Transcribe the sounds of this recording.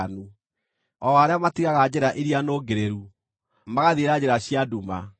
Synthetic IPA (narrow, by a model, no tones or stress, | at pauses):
nu | ɔaɾeamatiɣaɣad͡ʑeɾaʔeɾianoːɡeɾeɾu | maɣaðeɾad͡ʑeɾaɕjaduma